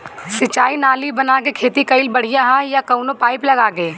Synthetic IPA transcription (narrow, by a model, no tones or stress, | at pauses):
sɪt͡ʃaːinaːlibɐnakekʰeːt̪ikɐɪlbɐɽ̤ijaɦajakɐʊnopaːɪplɐɡaːɡeː